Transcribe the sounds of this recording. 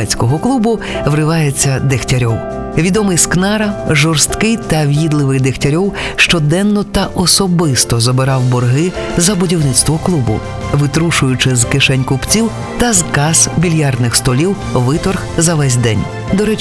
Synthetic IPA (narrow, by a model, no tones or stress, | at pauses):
ɛt͡sʲkɔɦɔklˠubʊ | ʋɾɪʋɑjet͡sʲːɐd̪ɪxtʲɐɾʲɔw | ʋʲid̪ɔmɪjsknɑɾɐʒɔrst̪kɪjt̪ɐʋʲjid̪lˠɪʋɪjd̪ɪxtʲɐɾʲɔwʃt͡ʃɔd̪ɛnːɔt̪ɐʔɔsɔbɪst̪ɔzɔbɪɾɑwbɔrɦɪzɐbʊdʲiwnɪt̪st̪ʋɔklˠubʊ̰ | ʋɪt̪ɾuʃʊjʊt͡ʃɪzkɪʃɛnʲkʊpt͡sʲiw | t̪ɐzkɑsbʲilʲjard̪nɪxst̪ɔlʲiw | ʋɪt̪ɔrxzɐʋɛsʲd̪ɛnʲ | d̪ɔɾɛ